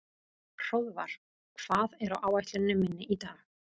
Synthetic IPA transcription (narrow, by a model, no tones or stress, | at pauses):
r̥owðvaɾ̥ | kʰv̥aːðɛɾawʔaːwajht̪lʏnːʏmːɪnːɪʔit̪aːɣ